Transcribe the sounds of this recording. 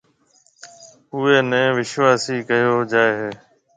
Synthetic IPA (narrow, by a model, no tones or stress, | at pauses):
ʊeːnɛ̃ːʋɪʃʋaːsiːkəjoːd͡ʒaːeːɦeː